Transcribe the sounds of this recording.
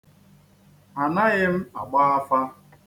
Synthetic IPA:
a˨na˦ɣɪ˦m̩˦a̰˨ɡ͡ba˦a˦fa˦

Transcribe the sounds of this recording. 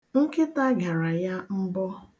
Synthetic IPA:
ŋ̩˦kɪ˦ta˦ɡa˨ɾa˨ja˦m̩˦bɔ˦

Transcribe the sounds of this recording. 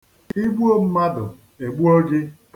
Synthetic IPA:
i˦ɡ͡bu˦o˦m̩˦ma˦dʊ̰˨ | e˨ɡ͡bu˦o˦d͡ʒɪ˦t

